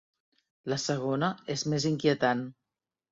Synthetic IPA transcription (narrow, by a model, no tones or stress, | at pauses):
ləsəɣ̞onəezmeziŋkiət̪an